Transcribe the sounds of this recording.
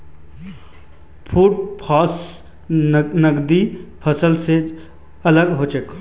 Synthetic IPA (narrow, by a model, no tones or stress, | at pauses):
pʰuːʈ̚pʰaːs | nəɡd̪ipʰəsəlse | ɐləɡɦoːt͡ʃek